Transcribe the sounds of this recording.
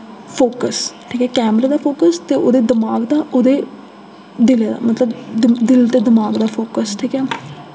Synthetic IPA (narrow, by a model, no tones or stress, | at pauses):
pʰoːkəsʈʰiːkɛːkɛːmɾeːd̪aːpʰoːkəst̪eːʔoːd̪eːd̪ɪmaːɡd̪aːʔoːd̪eː | d̪ɪled̪a̰ːmət̪ləb̪d̪ɪlt̪eːd̪ɪmaːɡd̪aːpʰoːkəsʈʰiːkɛː